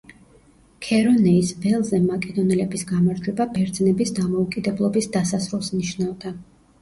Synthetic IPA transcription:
kʰɛɾɔnɛisvɛlˠzɛmakʼɛd̪ɔnɛlɛbisɡamaɾd͡ʒwɛbabɛɾd̪znɛbisd̪amɔukʼid̪ɛblˠɔbisd̪asasɾulˠsniʃnavd̪a

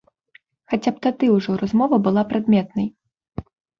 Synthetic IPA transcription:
xat͡sʲap̚t̪ad̪ɨwʐɔɾazmɔvɐbɨlˠapɾad̪mʲɛt̪nɐj

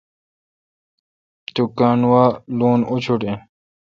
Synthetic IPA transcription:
t̪ukaːnwaːluːnut͡ɕʰuʈẽ

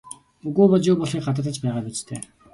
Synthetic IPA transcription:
uɣoːpɔɮt͡ɕjʊːpɔɮiːk̚ɢat̪̬ə̆t̪ə̆t͡ɕpæːʁaːpit͡ɕt̪ʰeː

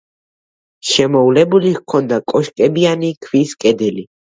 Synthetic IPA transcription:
ʃɛmɔvlɛbuliɣkʰɔnd̪akʼɔʃkʼɛbianikʰviskʼɛd̪ɛli

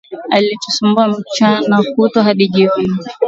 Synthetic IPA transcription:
alitusumbuam̩t͡ʃanakutɔɦaɗiʄiɾi

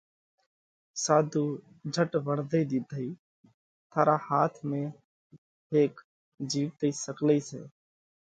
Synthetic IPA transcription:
saːd̪ʱuː | d͡ʒʱəʈbəɽd̪əid̪id̪ʱəiː | t̪ʰaːɾaːhaːt̪ʰmẽː | ɦeːk | d͡ʒiːʋt̪əisəkləisḛː

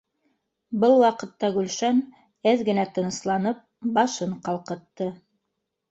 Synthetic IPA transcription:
bɤlˠwɑqɤ̆t̪ːɑɡʉlʃæn | æðɡɘ̆næt̪ɤ̆nɤ̆slˠɑnɤp̚bɑʃɤɴqɑlˠqɤ̆t̪ːɤ

